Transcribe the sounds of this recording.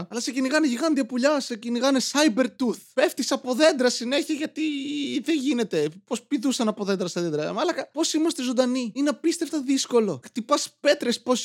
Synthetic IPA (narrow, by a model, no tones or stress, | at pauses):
ɐlɐseciniɣɐneʝiɣɐnd̪iɐpuʎɐseciniɣɐnesɐjbe̞ɾt̪uθpeft̪isɐpo̞ðe̞nd̪ɾɐsine̞çiɐʝɐt̪iðeʝine̞t̪e̞po̞spiðusɐnɐpo̞ðe̞nd̪ɾɐseðend̪ɾɐmɐlɐkɐpo̞simɐst̪ezond̪ɐniineɐpist̪e̞ft̪ɐðisko̞lo̞xt̪ipɐspe̞t̪ɾespo̞s